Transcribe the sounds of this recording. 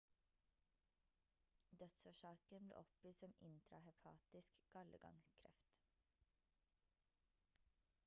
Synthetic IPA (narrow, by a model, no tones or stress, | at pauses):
d̪œt̪soːʃɑːkənblḛːʔɔpiːsɔmɪ̰nt̪ʰɾɑ̰hɛpʰɑ̰ːt̪ɪskɡ̥ɑləɡɑ̰ŋskʰɾɛ̰ft̪